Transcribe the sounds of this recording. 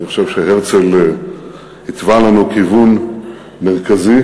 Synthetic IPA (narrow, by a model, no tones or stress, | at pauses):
niχo̥ʃevʃeheʁt͡sel | hit̪valanukivun | meʁkazi